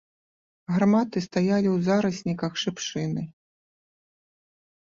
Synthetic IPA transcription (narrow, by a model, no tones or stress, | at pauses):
ɣrmat̪ɨst̪ajalʲiwzaɾɐsʲnʲikɐxʂɨpʂɨnɨ